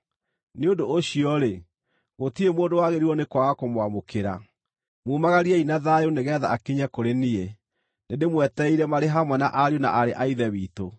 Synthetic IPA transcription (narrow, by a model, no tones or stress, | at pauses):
neondoːɕiɔɾe | ɣotiemoːdowaɣeɾiwɔnekwaɣakomwamokʰeɾa̰ | muːmaɣaɾiɛinaðajoneɣɛːða̰akiɲakoɾenie | nendemwɛtɛiɾɛmaɾeɦamwɛna̰ʔaɾjona̰ʔaɾeʔaiðɛwiːto